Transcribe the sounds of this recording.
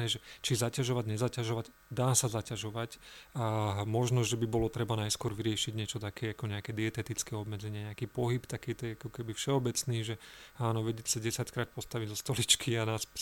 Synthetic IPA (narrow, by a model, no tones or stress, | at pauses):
ɛːʒɛt͡ʃizacaʒɔʋaɟɲɛzacaʒɔʋaɟ | d̪aːsazacaʒɔʋac | mɔʒnɔʒɛbibɔlɔt̪ɾɛbanajskʊɔɾʋiɾɪɛʃiɟɲɪɛt͡ʃɔt̪akʰɛːakɔɲɛakɛːd̪iɛt̪ɛt̪it͡skɛːɔbmɛd͡zɛɲɪaɲɛakiːpɔɦipt̪akiːt̪ɛjakɔkɛbifʃɛɔbɛt͡sniːʒɛaːnɔʋɛɟɛcsaɟɛsackɾaːt̪̚pɔst̪aʋiɟzɔst̪ɔlit͡ʃkʰianaːs